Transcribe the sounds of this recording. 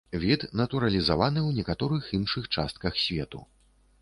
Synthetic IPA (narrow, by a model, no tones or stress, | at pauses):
vʲit̪nɐt̪uɾɐlʲizavanɨwnʲɛkat̪ɔɾɨxinʂɨxt͡ʂast̪̚kɐxsʲvʲɛt̪ṵ